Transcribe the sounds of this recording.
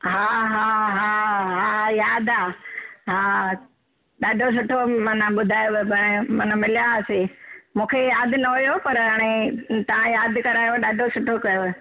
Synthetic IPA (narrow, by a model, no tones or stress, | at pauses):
ɦaːɦaːɦaːɦaːjaːd̪aːɦaː | ɗaːɖʱos̬ʊʈʰomɐnə̃ɓʊd̪ʱaːjopɐ̃mɐnə̃mɪljasemũːkʰejaːd̪nɐɦojopɐɾaːɽ̃et̪ɐʋ̤ãjaːd̪ʱkɐɾaːjoɗaːɖʱosʊʈʰokɐjo